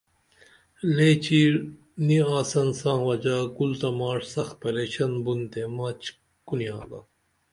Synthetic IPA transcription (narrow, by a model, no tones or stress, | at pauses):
let͡ʃʰiɾ | niaːsɐnsãŋʋɐd͡ʒaːɡult̪ɐmaːɾsɐxpɐlet͡ʃʰɐnbunt̪emɐːt͡ʃ | ɡ̥unijaːlɐ̰